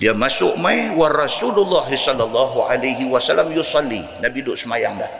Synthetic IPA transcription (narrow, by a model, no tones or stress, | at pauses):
diamasʊʔmajwarɑsululːɑɦisɔlːalˤːɑɦuʔa̰lajɦiwasalamjusɑlːḭ | nabidʊʔsəmajaŋlah